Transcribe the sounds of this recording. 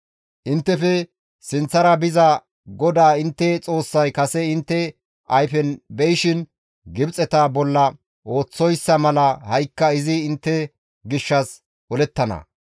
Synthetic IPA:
ʔɪnt̪ːɛfɛ | sɪnt͡sːɐɾɐbɪzɐ | ɡɔd̪aːɪnt̪ːɛt͡sʼo̞ːsːɐjkɐsɛɪnt̪ːɛ | ɐjfɛnbɛjɪʃɪn | ɡɪbt͡sʼɛt̪ɐbɔlːɐ | ʔo̞ːt͡sːɔjsːɐmɐlɐhɐjkːɐɪzɪːnt̪ːɛ | ɡɪʃːɐs | ʔɔlɛt̪ːɐnɐ̰

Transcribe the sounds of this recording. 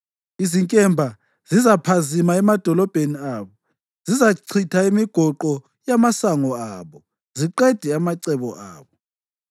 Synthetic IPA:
iziŋkʼɛmbʱa | zizapʰazimaɛmad̥ʱɔlɔb̥ʱeniaːβɔ | z̥izaǀʰitʰaimiɡ̥ʱɔǃɔ | jamasaŋɔaːβɔ | ziǃɛd̥ʱɛamaǀɛβɔ̰ʔa̰ːβɔ

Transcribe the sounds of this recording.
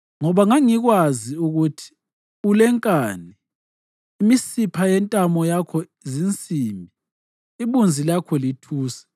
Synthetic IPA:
ŋɔβaŋaŋiɣwaziuɣutʰi̥ | ulɛŋkʼaːniː | misipʰajɛntʼamɔjakʰɔizint͡sʼimbʱiː | βund͡zʱilakʰɔlitʰuːsḁ

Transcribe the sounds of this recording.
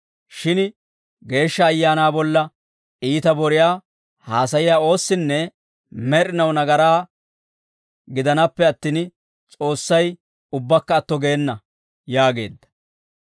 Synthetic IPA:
ʃɪn | ɡe̞ːʃːɐːjːaːnaːbɔlːɐ | iːt̪ɐbɔɾɪjaː | haːs̬ɐjɪjaːo̞ːsːɪnːɛ | mɛɾɪnɐwnɐɡɐɾaː | ɡɪd̪ɐnɐpːɛɐt̪ːiːn | t͡sʼo̞ːsːɐj | ʊbːɐkːɐːt̪ːɔɡeːnːɐ | jaːɡe̞̰ːd̪ːɐ̥

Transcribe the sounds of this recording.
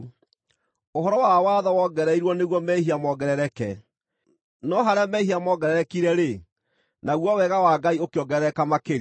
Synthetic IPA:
oɦɔɾɔwawaðɔwɔɡɛɾɛiɾwɔneɣwɔmɛɦiamɔɡɛɾɛɾɛkɛ | nɔɦaɾeamɛihiamɔɡɛɾɛɾɛkiɾɛɾe | naɣwɔwɛɣawaɡaiokeɔɡɛɾɛɾɛkamakeɾ

